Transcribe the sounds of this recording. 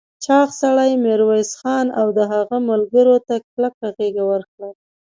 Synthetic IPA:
t͡ʃɑxsaɽajmeɾwajsxɑnawd̪əɦaɣamalɡəɾot̪ak̚lakaɣeɡawəɾkɽa

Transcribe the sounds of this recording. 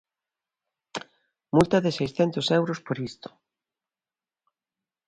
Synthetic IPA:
mult̪ɐðɪsejsθɛnt̪ʊsɛwɾospoɾist̪o̥

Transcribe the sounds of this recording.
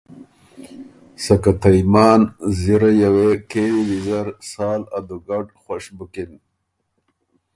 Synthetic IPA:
sakat̪ʰajmɑːnziɾajawekeːwiwizaɾsɑːlad̪uɡaɖxwaʂbukin

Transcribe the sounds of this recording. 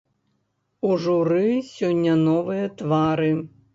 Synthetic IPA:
uʐʊɾɪsʲɔnʲːɐnɔʋɪjɛt̪ʋɑɾɪ

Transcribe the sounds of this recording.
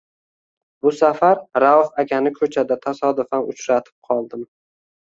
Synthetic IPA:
bʊsafaɾɾawhaɡʲanɪkʰɵt͡ʃʰad̪at̪ʰasɒd̪ʊfanʊ̰t͡ʃɾat̪ʰɪ̥p̚qʰɒlˠd̪ɪm

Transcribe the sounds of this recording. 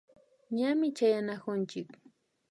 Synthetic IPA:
ɲamɪt͡ʃajanakʊnt͡ʃɪk

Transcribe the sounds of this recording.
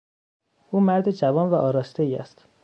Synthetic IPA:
ʔuːmæɾd̪ed͡ʒævɒːnvæʔɒːɾɒːst̪eiːæ̰st̪

